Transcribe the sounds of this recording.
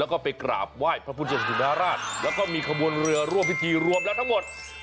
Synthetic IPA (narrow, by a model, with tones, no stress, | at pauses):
ɛː˦˥wkɔː˥˩pa˧jkɾa̰ː˨˩p̚waː˥˩jpʰɾa˦˥pʰuː˧˥˩t͡ɕi˧˩sa˧˩u˨˩aː˦˥ɾaː˥˩t̪̚lɛː˦˥wkɔː˥˩miː˧kʰa˧bu˧ənɾɯ˧ɐɾu˥˩əmpʰi˥˩t̪ʰiː˧ɾu˧əmlɛː˦˥wt̪ʰa˥ŋmo˨˩t̪̚